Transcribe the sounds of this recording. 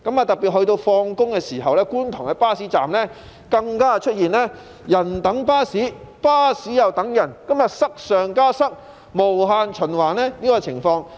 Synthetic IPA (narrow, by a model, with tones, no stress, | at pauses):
kɐ˨˥maː˨˧t̪ɐ˨pi˨hɵ˧ɥt̪o˧wfɔː˧ŋkʊ˥ŋkɛː˧siː˨˩ɦɐ˨wlɛː˥kuː˥nt̪ʰʊ˨˩ŋhɐ˨˧paː˥siː˨˥t͡sa̰ː˨mlɛː˥ | kɐ˧ŋkaː˥˨t͡ʃʰɵ˥t̚jiː˨˩nɛː˥ | jɐ˨˩nt̪ɐ˨˥ŋpaː˥siː˨˥paː˥siː˨˥jɐ˨wt̪ɐ˨˥ŋjɐ˨˩nkɐ˥mjɐ˨t̚sɐ˥k̚sœː˨ŋkaː˥sɐ˥k̚ | mo˨˩wɦaː˧nt͡ʃʰɵ˨˩nwaː˨˩nɛː˥niː˥kɔː˧t͡sʰɪ˨˩ŋfɔː˧ŋ